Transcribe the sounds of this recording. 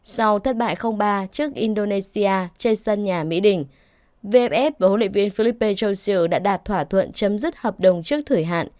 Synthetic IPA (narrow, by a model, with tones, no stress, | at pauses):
sa˧wt̪ʰə˦˥t̚ɓa̰ː˧˨jxə˧wŋ͡mɓaː˧t͡ɕɨ˦˥ək̚ʔi˧nɗo˧ne˧si˧aː˧t͡ɕe˧nsə˧nɲaː˨˩mḭ˧˥ɗï˨˩ŋ̟ | ve˧ʔɛ˦˥p̚ʔɛ˦˥p̚vaː˨˩ho̰˧˥lḭ˧˨vi˧ənfi˧li˦˥pːi˧nt͡ɕo˧sɨ˧ɗa̰ː˧˥ɗaː˨˩t̚t̪ʰwaː˧˩t̪ʰwə̰˧˨nt͡ɕə˨˦mzɨ˦˥t̚həː˨˩p̚ɗə˨˩wŋ͡mt͡ɕɨ˦˥ək̚t̪ʰɨ˧˩əjɦa̰ː˧˨n